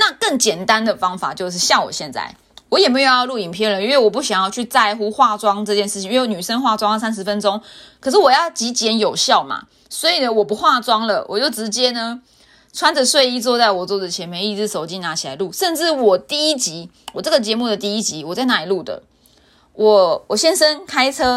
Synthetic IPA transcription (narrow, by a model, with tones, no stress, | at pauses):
na˥˧˨kə˥˩ŋt͡ɕjɛ˨˩nt̪a˦nd̪ə˨fɑ˥ŋfa̰˨˩t͡ɕjo˥˧ʊʂ̬ɻ̩˥˧ɕja˥˩wɔ̰˨˩ɕjɛ˥˧nt͡sa̰˥˩ɪ | wɔ˧˦jɛ˨˩m˧˥jo˧jlu˥˩i˨˩npʰjɛ˥˩nlə˩i˥nwe˥˩ɪwɔ˨˩p̬u˥˩ɕjɑ˨˩ŋjɑ˥˧ʊt͡ɕʰy˥˧t͡sa˥˧ɪxu˥xwa˥˩t͡swɑ˥ŋʈ͡ʂɤ˥˧t͡ɕjɛ˥˧nʂɻ̩ʰ˥˩i˨˦˧wny˨˩ʂə˥ŋxwa˥˩t͡swɑ˥ŋlə˨˩sa˥nʂ̬ɻ̩˧˦fə˦nʈ͡ʂo˥ŋkʰɤ˨˩ʂ̬ɻ̩˥˩wɔ˨˩jɑ˥˩ʊt͡ɕi˧˥t͡ɕjɛ˧˥njo˨˩ʊɕjɑ˥˩ʊma̰˩ | swɔ˧˥i˨˩lə˦wɔ˨˩pu˧˦xwa˥˩t͡swɑ˥ŋlə˨wʔɔ̰˨˩t͡ɕjo˥˩ʊʈ͡ʂɻ̩˧˥t͡ɕjɛ˥nə˨ | t͡sʰwa˥nd͡zə˨swe˥˧ɪi˥˧t͡swɔ˥˧t͡sa˥˩ɪwɔ˨˩t͡swɔ˥˩d͡zə˨t͡ɕʰjɛ˧˥nme˧ɪi˥˩t͡sɻ̩˥so˨˩ʊt͡ɕi˥na˧˥t͡ɕʰi˨˩la˨˧˦lu˥˩ʂə˥˧nʈ͡ʂɻ̩˥˩wɔ˨˩t̪i˥˩i˦˥t͡ɕi˧˥ | wɔ˨˩ʈ͡ʂɤ˥˩ɡə˨t͡ɕjɛ˧˥mu˥˩d̪ə˩t̪i˥˧i˦˥t͡ɕi˨˥wɔ˨˩t͡sa˥˧ɪna˥˩i˨˩lu˥˩d̪ə̰˩ | wʔɔ˨˩wɔ˨˩ɕjɛ˥nʂə˥nkʰa˥ɪt͡sʰɤ˥